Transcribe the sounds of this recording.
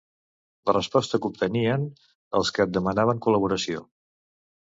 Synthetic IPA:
lərəspɔst̪əkup̚t̪əniən | əlˠskəːd̪̚d̪əmənaβ̞əŋkuləβ̞uɾəsio

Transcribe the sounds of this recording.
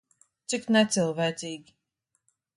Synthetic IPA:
t̪siknɛt̪silˠvɛjt̪siːɡʲi

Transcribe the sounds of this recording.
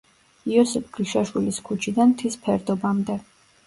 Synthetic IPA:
iɔsɛpʰɡ̥lʃaʃwiliskʰut͡ʃʰid̪ant̪ʰispʰɛɾd̪ɔbamd̪ɛ

